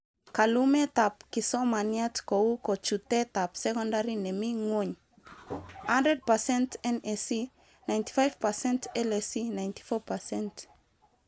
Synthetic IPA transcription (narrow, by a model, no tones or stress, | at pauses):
kalumet̪ap̚kisɔmaniat̪koukot͡ʃut̪ɛt̪apsɛkɔ̃ndaɾinɛmiŋwoɲ | handɛd̚pasɛ̃ntɛnɛsi | najnt̪i̥fajv̥pasɛ̃ntɛlɛsinajnt̪i̥fɔpasɛnt